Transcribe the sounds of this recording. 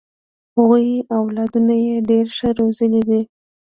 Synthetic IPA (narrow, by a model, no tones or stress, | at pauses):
haɣujawlɑd̪unajeɖeɾʃəɾozəlid̪i